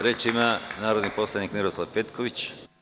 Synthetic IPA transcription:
ɾeːt͡ʃimanaːɾod̪nipo̞slˠanikmiɾo̞slˠaʋpet̪kʰo̞ʋit͡ɕ

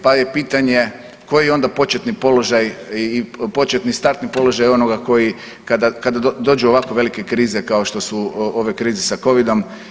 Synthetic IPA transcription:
pajepiːt̪aɲe̞ | ko̞jijo̞nd̪apo̞t͡ʃet̪nipo̞lo̞ʒajipo̞t͡ʃet̪nist̪aɾt̪nipo̞lo̞ʒajo̞noɡako̞ji | kad̪akad̪ad̪o̞ːd͡ʒuoʋakoʋe̞like̞kɾiːze̞kao̞ʃt̪o̞suo̞ʋe̞kɾiːzesako̞ʋid̪o̞m

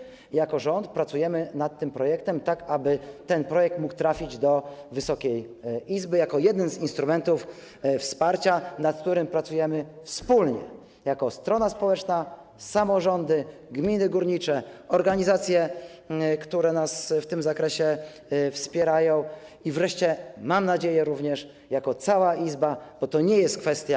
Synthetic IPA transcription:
jakɔʐɔnt̪̚pɾat̪sujɛmɘnat̪ːɘmpɾɔjɛk̚t̪ɛmt̪akabɘt̪ɛnpɾɔjɛk̚t̪muk̚t̪ɾafʲid͡ʑd̪ɔvɘsɔkʲɛj | ʔizbɘjakɔjɛd̪ɛnzinst̪ɾumɛnt̪uf | fspaɾt͡ɕanat̪̚kt̪uɾɘmpɾat̪sujɛmɘfspulɲɛ̰ | jakɔst̪ɾɔnaspɔwɛt͡ʂna | samɔʐɔnd̪ɘɡmʲinɘɡuɾɲit͡ʂɛɔɾɡaɲizat̪sʲjɛ | kt̪uɾɛnasft̪ɘmzakɾɛɕɛ | fspʲjɛɾajɔ̃w̃ | ivɾɛʂt͡ɕɛmamnad͡ʑejɛɾuvɲɛʂ | jakɔt̪sawaizbab̥ɔt̪ɔɲɛjɛst̪̚kfɛst̪ʲja

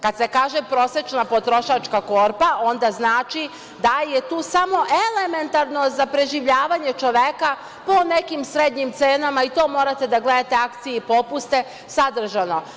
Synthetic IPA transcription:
kad̪se̞kaːʒepɾo̞set͡ʃnapo̞t̪ɾo̞ʃat͡ʃkako̞ɾpaʔo̞nd̪aznaːt͡ʃi | d̪ajet̪uːsamo̞ʔele̞me̞nt̪aɾno̞zapɾe̞ʒiʋʎaːʋaɲe̞t͡ʃo̞ʋeka | po̞ne̞kimsɾed̪ɲimt̪seːnamait̪o̞ːmo̞ɾat̪e̞d̪aɡle̞d̪at̪e̞akt̪sijeipo̞pust̪e̞ | sad̪r̩ʒano̞

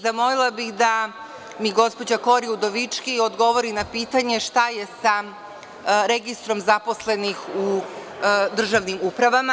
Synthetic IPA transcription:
zamo̞lilˠabixd̪a | miɡo̞spo̞d͡ʑako̞ɾiud̪o̞ʋit͡ʃkio̞d̪ɡo̞ʋo̞ɾinapiːt̪aɲe̞ʃt̪aje̞sa | ɾe̞ɡist̪ɾo̞mzapo̞sle̞nixu | d̪r̩ʒaʋnimupɾaʋama

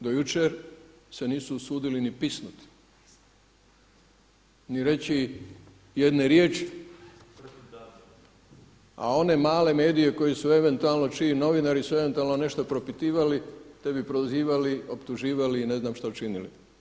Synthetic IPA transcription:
d̪ojut͡ʃeɾ | se̞niːsuːsuːd̪ilinipisnut̪i̥ | niɾe̞t͡ɕi | je̞d̪neɾjeːt͡ʃi̥ | a̰o̞ne̞maːle̞me̞ːd̪ije̞ko̞jesue̞ʋe̞nt̪ualˠno̞t͡ʃino̞ʋinaɾisue̞ʋent̪ualˠnone̞ʃt̪o̞pɾo̞pit̪iːʋalit̪e̞bipɾoziːʋalio̞pt̪uʒiːʋaliːne̞znaːmʃt̪aut͡ʃinilḭ

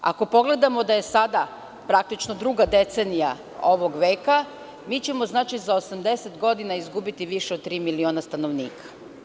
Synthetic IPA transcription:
a̰ko̞po̞ɡle̞d̪amo̞d̪aje̞sad̪a | pɾak̚t̪it͡ʃnod̪ɾuːɡad̪e̞t̪senija | o̞ʋo̞ɡʋe̞ːka | miːt͡ɕe̞mo̞znaːt͡ʃizao̞samd̪e̞set̪ɡo̞d̪inaizɡubit̪iʋiʃeod̪̚t̪ːɾiːmilio̞ːnast̪ano̞ʋniːkʰḁ

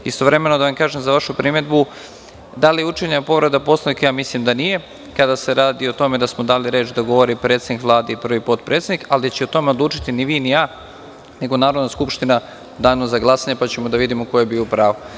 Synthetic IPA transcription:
ist̪o̞ʋɾe̞me̞no̞d̪aʋamkaːʒemzaʋaʃupɾime̞d̪bu | d̪alijeut͡ʃeɲepo̞ʋɾed̪apo̞saikjaːmislimd̪anije̞ | kad̪ase̞ɾaːd̪io̞t̪o̞me̞d̪asmod̪aːliɾe̞ːt͡ʃd̪aɡo̞ʋo̞ɾipɾe̞ːt̪sʲd̪nikʋlˠaːd̪eipr̩ʋipo̞t̪pɾet̪sed̪ikalid̪at͡ɕɛot̪o̞me̞o̞d̪lˠuːt͡ʃi̥t̪iniʋiːnijaː | ne̞ɡo̞naːɾo̞d̪naskupʃt̪ina | d̪aːnozaɡlˠasaɲepat͡ɕe̞mo̞d̪aʋid̪imoko̞jebiːopɾaːʋo

